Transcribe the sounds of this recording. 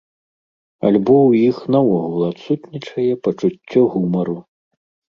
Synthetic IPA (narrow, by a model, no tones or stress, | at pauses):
a̰lʲbɔwjixnawɔɣulˠɐat̪sut̪nʲit͡ʂɐjɛpɐt͡ʂut͡sʲːɔɣumɐɾu